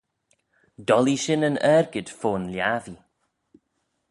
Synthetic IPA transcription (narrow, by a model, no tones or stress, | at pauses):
d̥ɔlˠiʃɪnənɛrɡɪd̥foːnljaːði